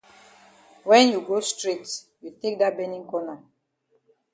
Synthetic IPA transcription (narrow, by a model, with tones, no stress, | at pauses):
wɛ̃˦nju˨ɡostɹi˦t | ju˨te˦k̚dabɛ̃nĩ˦ŋkɔ˦na˨